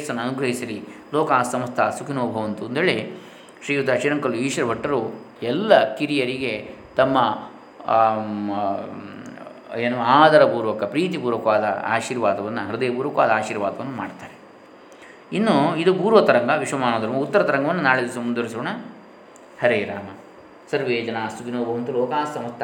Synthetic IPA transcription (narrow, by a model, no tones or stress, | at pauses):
sɐnːɐnuɡɾɐɦisɐlilɔːkaːsɐmɐst̪ʰɐsukʰinoːbʱɐʋɐnt̪und̪ʰeːɭe | ʃɾiːɡud̪aːʂiːɾɐŋkɐluiːʃʋɐɾɐbʱɐʈːɐɾuɛlːɐkiɾijɐɾiɡe̞ | t̪ɐmːɐ | eːnuaːd̪ɐɾɐbuːɾʋɐkːɐpɾiːt̪̬ibuːɾʋɐkɐʋaːd̪ɐ̰a̰ːʃiːɾʋaːd̪ɐʋɐnːɐɦɐɾud̪eːɐpuːɾʋɐkɐʋaːd̪ɐaːʃiːɾʋaːd̪ɐʋɐnːumaːɖt̪aːɾe | inːuid̪ubuːɾʋɐt̪ɐɾɐŋɡɐʋiʂʋɐmaːnoːd̪ɐɾɐmut̪ːɐɾɐt̪ɐɾɐŋɡɐʋɐnːunaːɭed̪ɐsɐmund̪ʋɐɾis̬oːɳɐ | hɐɾeːɾa̰ːmɐ | sɐɾʋeːd͡ʒɐnaːsuɡinoːbɐʋɐnt̪uloːkaːssɐmɐst̪ʰɐ